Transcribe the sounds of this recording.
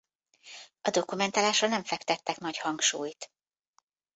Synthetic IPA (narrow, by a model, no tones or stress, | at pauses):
ɒd̪o̞kumɛnt̪aːlaːʃrɒnɛɱfɛkt̪ɛt̪ːɛknɒchɒŋkʃuːjt̪